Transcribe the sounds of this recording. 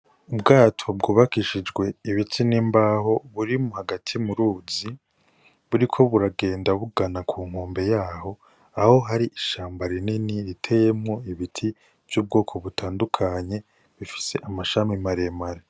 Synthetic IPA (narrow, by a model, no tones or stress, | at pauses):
ubɡaːtʰo̞bɡuːβakiʃid͡ʒɡwe̞iβitʰiniːmbaːho̞βuɾimuhaɡatʰimuɾuːzi | βuɾikʰo̞βuɾaɡe̞ːndaβuɡanakʰuːŋ̥oːmbe̞jaːho̞ | aho̞ɦaɾiʔiʃaːmbaɾininiɾitʰe̞jemŋo̞iβitʰi | v̥juːb̚ɡo̞ːkʰo̞βutʰaːndukʰaɲe̞ | βifi̥se̞ʔamaʃamimaɾemaɾe